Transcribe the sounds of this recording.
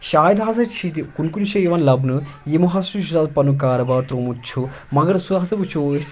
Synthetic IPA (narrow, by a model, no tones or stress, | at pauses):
ʃaːjd̪ãːsɐt͡ʃʰit̪ikunkunʃɐjeʋɐnlɐbnɨ | jemɐɦaːsuʃuzaːd̪pɐnukaːɾɐbaːɾt̪ɾoːmut͡ʃʰu | mɐɡɐɾsud̪aːsɐbut͡ʃʰos